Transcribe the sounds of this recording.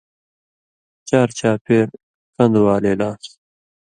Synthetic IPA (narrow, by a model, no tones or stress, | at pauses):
t͡ɕaːɾt͡ɕʰaːpʰeːɾ | kɐ̃nd̪waːleːlaːs